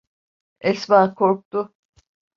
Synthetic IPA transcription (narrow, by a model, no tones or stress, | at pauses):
ɛsbaːkʰoɾk̚t̪ʊ